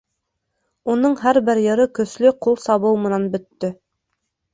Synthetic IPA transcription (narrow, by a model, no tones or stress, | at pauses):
unɤɴɦæɾbɘɾjɤ̆ɾɤkɵ̆slɵqulˠsɑβɤwmɤ̆nɑnbɵ̆t̪ːɵ